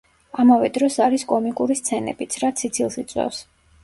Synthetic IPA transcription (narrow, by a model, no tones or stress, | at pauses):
amavɛd̪ɾɔsaɾiskʼɔmikʼuɾist̪sʰɛnɛ̰b̥it̪sʰɾat̪sʰit̪sʰilˠsit̪sʼwɛ̰fs